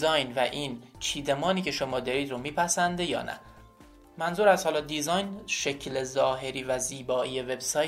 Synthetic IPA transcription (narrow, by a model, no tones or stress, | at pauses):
zɒːjnvæʔiːnt͡ʃʰiːd̪emɒːniːcʰe̞ʃo̞mɒːd̪ɒːɾiːd̪ɾomiːpʰæsænd̪ejɒ̰ːnæ̰ | mænzuːɾæst̪hɒːlɒːd̪izɒjnʃecʰlezɒːɦe̞ɾiːvæziːbɒːʔiːjeve̞bsɒː